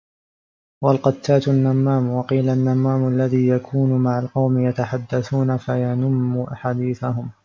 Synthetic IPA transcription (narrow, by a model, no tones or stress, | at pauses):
walqɑt̪ːaːt̪ʊnːamːaːmwɑqiːlanːamːaːmʊʔalːaðiːjakʰuːnʊmaʕalqɑwmɪjat̪aħad̪ːaθuːnafajanʊmːuʔaħaːd̪iːθaɦʊm